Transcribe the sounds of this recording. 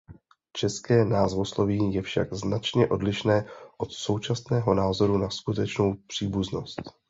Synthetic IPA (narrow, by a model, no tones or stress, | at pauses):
t͡ʃɛskɛːnaːzvo̞slo̞viːjɛfʃa̰ɡznat͡ʃɲɛʔo̞dlɪʃnɛːʔo̞t̪so̞wt͡ʃasnɛːɦo̞naːzo̞ɾunaskut̪ɛt͡ʃno̞wpr̥iːbuzno̞st̪